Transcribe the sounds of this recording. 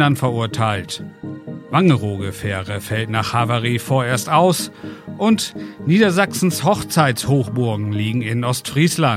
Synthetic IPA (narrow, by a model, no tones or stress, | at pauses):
antfɛɐʔʊɐtʰaɪlt | vaŋəʁoːɡəfɛːʁəfɛltnaːχhavaʁiːfoːɐeːɐstaʊsʔʊntniːdɐzaksn̩shɔχt͡saɪtshoːχb̥ʊɐɡŋ̩liːɡŋ̩ɪnʔɔstfʁ̥iːslan